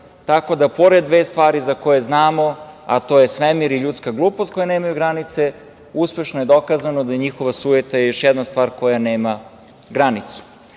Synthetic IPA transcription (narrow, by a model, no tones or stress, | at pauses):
t̪ako̞d̪apo̞ɾed̪ʋeːst̪ʋaːɾizako̞jeznaːmo̞a̰t̪o̞ːjesʋemiɾiʎut̪skaɡlˠuːpost̪ko̞janeːmajuɡɾanit̪se | uspe̞ʃnojed̪o̞kazanod̪ajeɲixo̞ʋasuːjet̪ajejo̞ʃjɛd̪nast̪vaːɾko̞janeːma | ɡɾanit̪su̥